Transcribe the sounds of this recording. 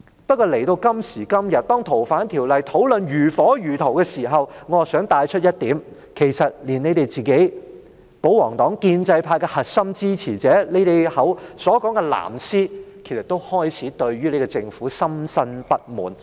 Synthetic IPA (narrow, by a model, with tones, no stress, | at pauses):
pɐ˥t̚kɔː˧le˨˩jt̪o˧wkɐ˥msiː˨˩kɐ˥mjɐ˨t̚t̪ɔː˥ŋt̪ʰo˨˩wfaː˨˥nt̪ʰiː˨˩wlɐ˨jt̪ʰo˨˥wlɵ˨nɥyː˨˩fɔː˨˥jyː˨˩t̪ʰo˨˩wkɛː˧siː˨˩ɦɐ˨wŋɔː˨˧sœː˨˥ŋt̪aː˨˧jt͡ʃʰɵ˥t̚jɐ˥t̚t̪iː˨˥m | kʰe˨˩jsɐ˨t̚liː˨˩ne˨˧jt̪e˨jt͡siː˨˩ke˨˥j | po˨˥wɔː˨˩ŋt̪ɔː˨˥ŋkiː˧nt͡sɐ˧jpʰaː˧jkɛː˧hɐ˨t̚sɐ˥mt͡siː˥t͡sʰiː˨˩t͡sɛː˨˥le˨˧jt̪e˨jhɐ˨˥wsɔː˨˥kɔː˨˥ŋkɛ˧la̰ː˨˩msiː˥kʰe˨˩sɐ˨t̪̚o˥whɔː˥jt͡sʰiː˨˥t̪ɵ˧ɥɥyː˥le˨˥kɔ˧t͡sɪ˧ŋfuː˨˥sɐ˥msɐ˥npɐ˥t̚mṵː˨˩n